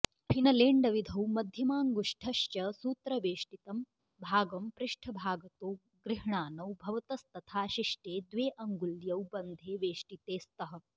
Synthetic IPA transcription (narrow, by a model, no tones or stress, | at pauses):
pʰinɐleːɳɖɐʋid̪ʱɐwmɐd̪ʱjɐmaːŋɡuʂʈʰɐʃt͡ʃɐsuːt̪ɾɐʋeːʃʈit̪ɐm | bʱaːɡɐmpɾɪʂʈʰɐbʱaːɡɐt̪oː | ɡɾɪɦɳaːnɐwbʱɐʋɐt̪ɐst̪ɐt̪ʰaːʃiʂʈeːd̪ʋeːʔɐŋɡuljɐwbɐnd̪ʱeːʋeːʂʈit̪eːst̪ɐɦɐ̆